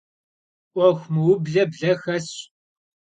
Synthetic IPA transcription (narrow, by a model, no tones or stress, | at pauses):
ɐxʷməwʊbɮɐbɮɐxɐs